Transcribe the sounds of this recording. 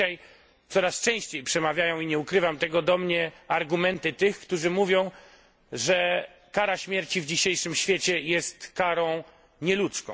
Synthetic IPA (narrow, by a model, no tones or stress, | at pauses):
aj | t̪sɔɾast͡ʂɛ̃w̃ɕt͡ɕejpʂɛmavʲjajɔ̃w̃iɲɛukɾɘvamt̪ɛɡɔd̪ɔmɲɛaɾɡumɛnt̪ɘt̪ɘxkt̪uʐɘmuvʲjɔ̃w̃ | ʐɛ | kaɾaɕmʲjɛɾt͡ɕivd͡ʑiɕejʂɘmɕfʲjet͡ɕɛjɛst̪kaɾɔ̃w̃ | ɲɛlut̪skɔ̰̃